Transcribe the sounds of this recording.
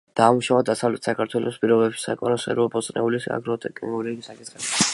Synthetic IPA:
d̪̥aːmuʃavad̪asavlɛt̪ʰsakʰaɾt̪ʰwɛlʔɔspʼiɾɔbɛbʃi̥sa̰kʼɔnɔsɛ̰ɾuabɔt̪sʼnɛ̰ulisa̰ɡɾɔt̪ʰʼɛkʼiŋɡulɛɡisakʼit̪ʰχɛbi

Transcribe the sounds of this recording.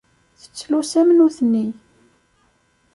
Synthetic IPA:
θə̥t͡sːlusæmnuθənːi

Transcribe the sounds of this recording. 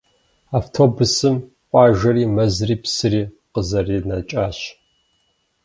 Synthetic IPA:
aːftʰoːbʊsɨm | ʔʷʼɑːʒɐriːmɐzriːpsɨriː | qəzɐriːnɐt͡ʃʼaːɕ

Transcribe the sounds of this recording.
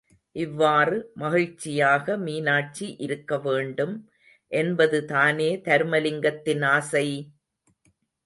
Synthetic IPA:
ʔɪʋːaːrɯmɐɣɪɻt͡ʃːɪjaːɣɐmiːnaːʈ̚t͡ʃiʔɪɾɯkːɐʋeːɳɖɯm | ʔɛnbɐðɯt̪aːneːt̪ɐɾmɐlɪŋɡɐt̪ːɪnaːsɐɪ

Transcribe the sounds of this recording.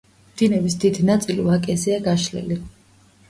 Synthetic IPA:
md̪̥inɛvisd̪id̪nat̪sʼiluakʼɛziaɡaʃlɛ̰li

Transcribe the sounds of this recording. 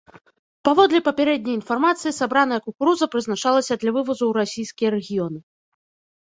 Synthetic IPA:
pavɔd̪lʲɛpɐpʲɛɾɛd̪ʲnʲɐjinfarmat̪sɨjisabɾanɐjɐkukuɾuzɐpɾɨznat͡ʂalˠɐsʲɐd̪lʲɐvɨvɐzuwɾasʲijskʲijɐɾɛɣʲijɔnɨ

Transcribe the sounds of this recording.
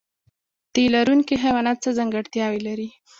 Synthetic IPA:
t̪elaɾunkiɦawanat͡səzaŋɡaɽt̪jɑwelaɾi

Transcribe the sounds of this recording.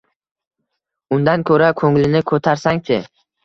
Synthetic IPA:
ʊnd̪ankʰɵɾakʰɵŋlɪnɪkʰɵt̪ʰaɾsaŋt̪ʰɪ

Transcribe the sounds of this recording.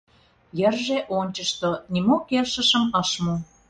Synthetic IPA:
jərʒeʔonʲt͡ɕəʃt̪onimokerʃəʃəməʃmo

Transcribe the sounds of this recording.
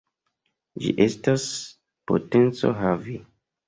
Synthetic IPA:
d͡ʒḭʔestas | po̰tent͡so̞̰ɦavi

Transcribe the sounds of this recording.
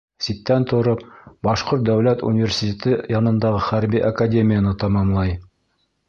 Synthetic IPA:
sit̪ːænt̪ŏɾɤpbɑʃqoɾt̪̚d̪æwlæt̪ṵnʲɪvʲersʲitʲet̪ɘjɑnɤ̆nd̪ɑʁɤχæɾbiʔakadʲemʲɪjanɤt̪ɑmɑmlˠɑj

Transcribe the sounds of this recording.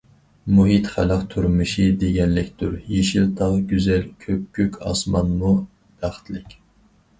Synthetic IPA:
muɦit̪χælɑqt̪ʰyɾmɨʃid̪eɡʲɛnlɪkʲd̪uɾjeʃilˠt̪ʰɑʁɡʲyzɛlkʲʰøp̚kʲykʲʰɑ̰smɑnmu | b̪̥æχt̪ʰlɪkʲ

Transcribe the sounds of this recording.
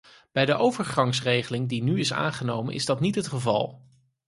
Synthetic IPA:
b̥ɛjdəʔowvəɹχɑŋsrejχəlɪŋdinyɪsa̰ːŋχənowmə̰nʔɪ̰zdɑtnitɦətχəvɑ̰lˠ

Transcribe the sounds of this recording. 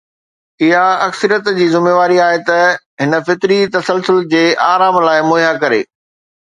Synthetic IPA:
ɪɦaɐksəɾijət̪d͡ʑiːzɪmeːʋaːɾiaːɦet̪ɐ | ɦɪnəfɪt̪ɾit̪ɐsəlsʊld͡ʑeːʔaːɾaːmlaːɪmoːjakɐɾḛː

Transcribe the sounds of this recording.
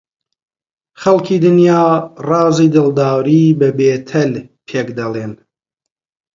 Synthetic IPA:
χɐlˠkʰiːd̪ɨnjaːrˤɑːziːd̪ɨlˠd̪aːwɾiːbɐbeːt̪ʰɐlpʰeːkd̪ɐlˠen

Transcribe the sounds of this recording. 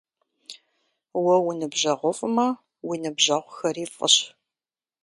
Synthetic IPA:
wɐwʊnɨbʑɐʁʷɔfʼɨmɐ | winɨbʑɐʁʷxɐriːfʼə̰ɕ

